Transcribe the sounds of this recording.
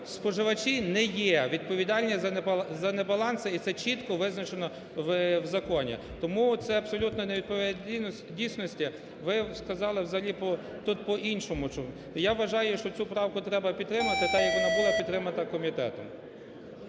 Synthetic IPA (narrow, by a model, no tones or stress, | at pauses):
spɔʒɪʋɐt͡ʃinɛjɛʋʲid̪̚pɔʋʲid̪ɑlʲnʲizɐzɐnɛbɐlˠɑnsɐit̪sɛt͡ʃit̪kɔʋɪznɐt͡ʃenɔ | wwzɐkɔnʲḭ | t̪ɔmut̪sɛɐbsɔlʲut̪nɔneʋʲid̪pɔʋ̪ʲ | dʲijsʲnɔsʲtʲi | ʋɪskɐzɑlˠɪwzɐɦɐlʲipɔ | t̪ut̪̚pɔʔinʃɔmʊt͡ʃ | jaʋʋɐʒɑjʊʃt͡ʃɔt͡s̪ʲsʲupɾɑwkʊt̪ɾɛbɐpʲid̪t̪ːɾɪmɐɐt̪ɪt̪ɐjɐkʋɔnɑbulˠɑpʲid̪t̪ːɾɪmɐt̪ɐkɔmʲit̪ɛ̰t̪ɔm